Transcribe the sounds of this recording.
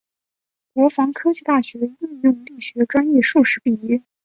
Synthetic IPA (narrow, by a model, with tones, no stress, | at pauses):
kwɔ˧˥fɑ˧˥ŋkʰɤ˥t͡ɕi˥˧t̪a˥˩ɕɥɛ˧˥i˥˧ŋjʊ˥˧ŋli˥˩ɕɥɛ˧˥ə˧ʈ͡ʂwa˥njɛ˥˧ʂu˥˩ʂɻ̩˧˥pi˥˩i˥